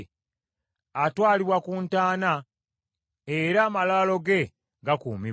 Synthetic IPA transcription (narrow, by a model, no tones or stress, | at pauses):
atwaːliβwakuntaːna | eɾaːmalaːlo̞ɡe̞ | ɡakuːmi